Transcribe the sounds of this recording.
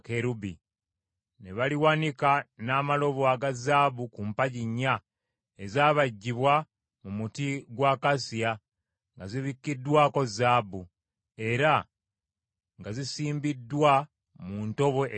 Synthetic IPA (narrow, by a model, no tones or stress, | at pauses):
keɾubi | ne̞βaliwanikanaːmalo̞βoaɡazaːbukumpaɟiɲːa | ezaːβaɟːiβwa | mumutiɡwaːkasia | ŋɡaziβikːidːwaːko̞zaːbu | e̞ɾa | ŋɡazisiːmbidːwa | muːnto̞βo̞ʔ